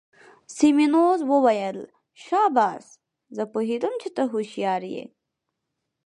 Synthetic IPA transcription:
siminoːzwowɐjɐl | ɕaːbaːs | zɐpuɦid̪umt͡ɕʰit̪ɐɦuɕijaːɾjḛ

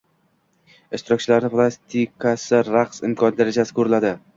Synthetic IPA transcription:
ɪʃt̪ɪɾɒk̚ʲt͡ʃʰɪlaɾnɪpʰlˠast̪ʰikʰasɪɾaqsɪmkʰɒnd̪aɾad͡ʒasɪ̥kʰɵɾɪlad̪ɪ

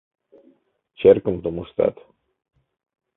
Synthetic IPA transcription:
t͡ʃerkɨmt̪umust̪a̰t̪

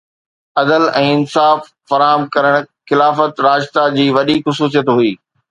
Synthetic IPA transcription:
ɐd̪əlɛ̃ːɪnsaːfːɐɾaːɦəmkɐɾəɽ̃xɪlaːfət̪ɾaːd͡ʑt̪ad͡ʑiːʋɐɗixʊsuːs̬ijət̪ɦʊiː

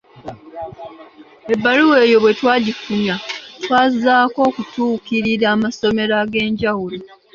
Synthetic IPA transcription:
e̞bːaluwe̞ːjo̞βwe̞twaːɟifumjatwaːzaːko̞ːkutuːkiɾiɾaːmaso̞me̞ɾaɡe̞ːɲɟawulo

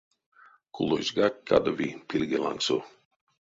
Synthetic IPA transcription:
kulˠozɡakʲːa̰d̪ovipilʲɡelˠa̰ŋksu

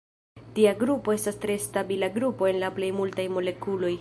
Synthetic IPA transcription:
tiaɡɾupoe̞stastɾe̞stabilaɡɾupo̞e̞nlaple̞jmultajmo̞le̞kulo̞j

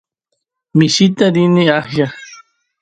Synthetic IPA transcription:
mɪʃit̪aɾiniahja

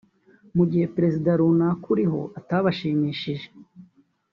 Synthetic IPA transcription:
muɟihe̞pɾe̞zidaɾunakuɾiɦo̞̰ʔataβaʃiːmiːʃiʒe̞̥

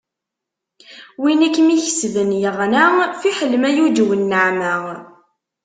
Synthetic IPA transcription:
winækːmiçəsðənjəʁnæfiħəlmæjud̪wənːəʕmæ

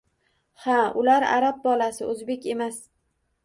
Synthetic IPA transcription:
haʊlaɾa̰ɾap̚bɒlasɪʔɵzbe̞kʲe̞mas

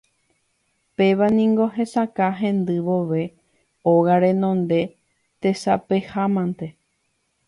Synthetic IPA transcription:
pe̞ʋanĩŋɡo̞ɦe̞sakaɦẽ̞nd̪ɨʋo̞ʋe̞ | oɣaɾẽ̞nõ̞nd̪e̞ | t̪e̞sapehamãnt̪e̞

